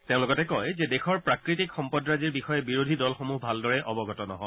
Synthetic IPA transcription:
teʊ̃lʊɡɔtɛkɔjzɛdɛxɔɹpɹakɹitikxɔmpɔdɹaziɹbixɔjɛbiɹodʱidɔlxɔmuɦbʱaldɔɹɛʔɔbɔɡɔtɔnɔ̰ɦɔ

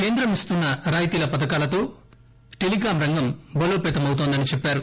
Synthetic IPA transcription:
ke̞ːnd̪ɾɐmist̪unːɐɾaːjt̪iːlɐpɐd̪ɐkaːlɐt̪o̞ː | ʈelikaːmɾɐŋɡɐmbɐloːpɛːt̪ɐmɐwut̪oːnd̪ɐnit͡ʃepːaːɾu

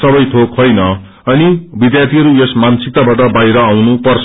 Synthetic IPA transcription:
sʌbʌjt̪ʰokhojnʌ | ʌnibid̪jat̪ʰiɦʌɾujesmansik̚t̪abaʈʌbajɾʌawnupʌrt͡sʰ

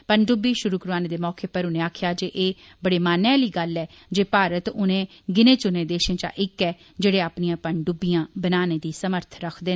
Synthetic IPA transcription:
pəɳɖʊbiːʃʊɾuːkəɾʋaːneːd̪eːmɔːkeːpəɾʊnẽːaːkʰjaːd͡ʒeːʔeː | bəɽeːmaːnaːliːɡəlɛː | d͡ʒeːpaːɾət̪ʊnẽː | ɡɪnẽːt͡ʃʊnẽːd̪eːʃẽːt͡ʃa̰ːʔɪkɛː | d͡ʒeːɽeːaːpnijãːpəɳɖʊbijãːbənaːneːd̪iːsəməɾt̪ʰɾəkʰd̪eː

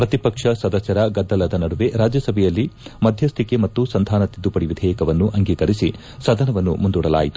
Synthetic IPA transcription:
pɾɐt̪ipɐkʂɐsɐd̪ɐsɐɾɐɡɐd̪ːɐlɐd̪ɐnɐɽuʋe̞ɾaːd͡ʒjɐsɐbʱɛjɐlːimɐd̪ʱjɐst̪ʰikemɐt̪ːusɐnd̪ʱaːnɐt̪id̪ːupɐɽiʋid̪ʱɛːjɐkɐʋɐnːuʔɐŋɡiːkɐɾisi | sɐd̪ʱɐnɐʋɐnːṵmund̪uɽɐla̰ːjit̪u̥

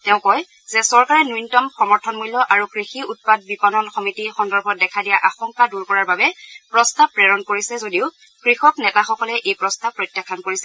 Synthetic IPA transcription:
tɛʊ̃kɔj | zɛsɔɹkaɹɛnujntɔmxɔmɔɹtʰɔnmulːɔʔaɹukɹixiut̚pad̚bipɔnɔnxɔmitixɔndɔɹbʱɔdɛkʰadijaʔaxɔŋkaduɹkɔɹaɹbabɛpɹɔstab̚pːɹɛɹɔnkoɹisɛzodiʊ | kɹixɔknɛtaxɔkɔlɛʔejpɹɔstab̚pːɹɔjtjakʰːankoɹisɛ

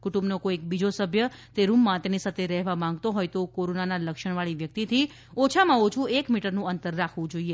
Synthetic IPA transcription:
kuʈũmbnokoekbid͡ʒosəbʱjət̪eɾumːãt̪enisat̪ʰeɾɛɦʋamãŋɡt̪oɦojt̪okoɾonanaləkʃəɳ̃ʋaɭiʋjək̚t̪it̪ʰi | ot͡ʃʰamãot͡ʃʰũekmiʈəɾnũənt̪əɾːakʰʋũd͡ʒoie

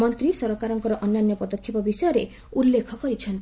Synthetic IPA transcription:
mɔnt̪ɾisɔɾɔkaɾɔŋkɔɾɔʔɔnːanjɔpɔd̪ɔkʰːipɔbisɔjɔɾe | ulːekʰɔkɔɾit͡ʃʰɔnt̪i

